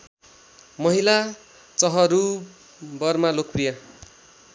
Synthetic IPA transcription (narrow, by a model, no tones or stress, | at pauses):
mʌɦila | t͡sʌɦʌɾu | bʌrmalok̚prija